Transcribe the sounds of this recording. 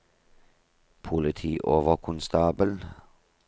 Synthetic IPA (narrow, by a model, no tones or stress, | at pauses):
pʰʊlɪt̪ʰiːʔoːʋəkʰʊnst̪ɑːbəl